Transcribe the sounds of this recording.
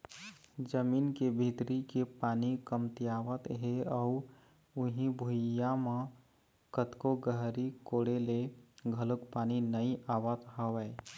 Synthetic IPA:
d͡ʒəmiːnkebʱit̪ɾikepaːnikəmt̪iaːʋət̪ɦeɔ | ʊɦĩbʱujjamã | kət̪koɡəɦɾikoːɽeleɡʱələkpaːninəiʔaːʋət̪ɦəʋɛː

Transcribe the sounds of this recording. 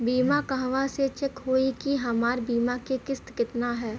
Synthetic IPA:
biːmakɐɦʋaset͡ʃɪkɦoːikiɦɐmaːɾbiːmakekɪst̪kɪt̪naɦɛː

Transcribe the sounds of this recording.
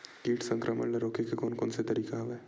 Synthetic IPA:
kiːʈsə̃ŋkɾʔəmə̰ɳlɐɾoːkekekoːnkoːnset̪ɐɾiːkaɦɐʋeː

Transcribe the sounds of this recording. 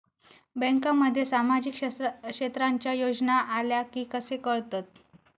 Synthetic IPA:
bɛ̃ŋkaməd̪ʱːjesamad͡ʑikkʂet̪ɾaɲt͡ɕjajod͡ʑnaʔaljakiːkəsekəɾt̪at̪̚

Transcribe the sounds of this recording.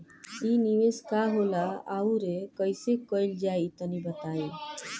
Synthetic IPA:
iniʋeskaɦolaauɾekəjsekəjld͡ʒajt̪ənibət̪ae

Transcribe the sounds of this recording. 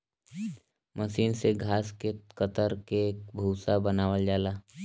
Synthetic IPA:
məʃiːnseɡʱaːskekət̪əɾkeːkbʱuːsabənaːʋəld͡ʒaːlaː

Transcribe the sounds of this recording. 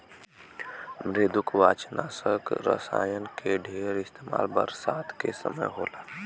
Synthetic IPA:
mɾeːd̪ʊkʋaːt͡ʃnaːsəkɾə̰sa̰ːjənkeɖʱeːɾɪst̪eːma̰ːlbə̰ɾsaːt̪ʰkesə̰məjɦo̰ːlaː

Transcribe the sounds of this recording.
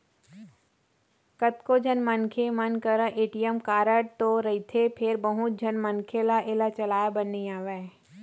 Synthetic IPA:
kət̪kod͡ʒʱənmənkʰemənkəɾəʔeːʈijəmkaːɾəɽ̚t̪oɾɐɦit̪ʰepʰeɾbəɦʊt̪̚d͡ʒʱənmənkʰelaʔɪlat͡ʃɐlaːjabənːiaːʋa

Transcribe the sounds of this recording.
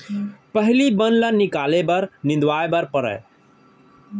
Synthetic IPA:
pəɦlibənlənikalebəɾnɪ̃nd̪waebəɾpəɾə̰

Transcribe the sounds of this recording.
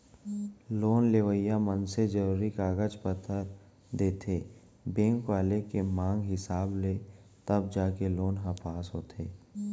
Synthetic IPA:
loːnleːʋəjamənsed͡ʒəɾuːɾikaːɡət͡ʃpət̪ʰːəɾ | d̪eːt̪ʰeː | bẽːŋkwaːlekemãːŋɡɦɪsaːble | t̪əb̚d͡ʒaːkeloːnɦapaːsɦoːt̪ʰeː

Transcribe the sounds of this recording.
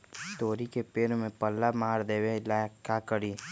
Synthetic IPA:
t̪oːɾikepeːɾmẽpəlːamaːɾd̪eːwelakakəɽiː

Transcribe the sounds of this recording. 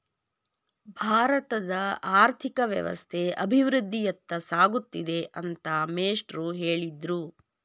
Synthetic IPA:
bʱaːɾɐt̪ɐd̪ɐaːɾt̪ʰikɐʋjɐ̰ʋɐ̰st̪ʰeʔɐbʱiʋɾud̪ʱːijɐt̪ːɐsaːɡut̪ːid̪e̞ʔɐnt̪ɐmeːsʈɾuɦeːɭid̪ɾu

